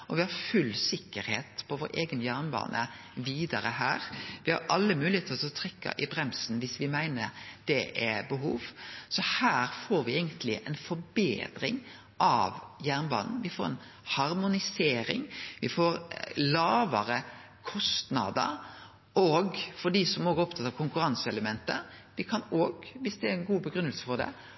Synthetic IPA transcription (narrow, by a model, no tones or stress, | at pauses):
ʔɔʋɪhɑɾfʉlsɪkːəɾhḛːt̪pʰɔʋoːɾeːɡənjæːɾnbɑ̰ːnʔə | ʋiːd̪ɑɾəhæːɾʋɪhɑ̰ɾʔɑlːəmʉːlɪheːt̪əlɔsɔt̪ʰɾɛkːɑ̰ʔɪbɾɛmsn̩ʋɪsʋɪmæɪnəɾd̪̥ɛʔɛbəɦuːʋsɔhæːɾfoːɾʋɪeɪɡənt̪ʰlɪʔɛnfɔɾbḛːd̪ɾɪŋ | ʔɑ̰ʋjæːʁnbɑ̰ːnn̩ʋɪfoːɾɛ̰n | hɑɾmʊnɪseːɾɪ̰ŋʋɪfoːɾlɑːʋəɾə | kʰɔst̪nɑ̰d̪ə̰ɾ | ʔɔɡfɔɖ̪iːsɔmoːɡɛɾɔp̚t̪ʰɑt̪ːɑʋkʰʊŋkʉɾɑnsəɛləmɛnt̪əʋɪkʰɑnoːɡʋɪsd̪ɛæɾɛnɡuːbəɡɾʉnəlsəfɔd̪ɛ̰